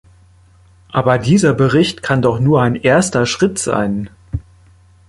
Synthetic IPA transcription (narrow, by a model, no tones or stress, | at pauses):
ʔaːbɐdiːzɐbəʁɪçtkʰandɔχnuːɐaɪnʔeːɐstɐʃʁ̥ɪtz̥a̰ɪn